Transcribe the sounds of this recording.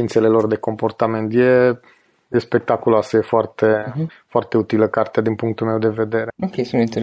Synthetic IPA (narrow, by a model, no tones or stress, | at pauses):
int̪se̞le̞lo̞rd̪e̞ko̞mpo̞rt̪ame̞nt̪je | jespe̞k̚t̪akulasəje̞foart̪e̞foart̪e̞ut̪iləkart̪ead̪inpuŋk̚t̪ulme̞wd̪e̞ve̞d̪e̞ɾe̞nupɾeesuint̪e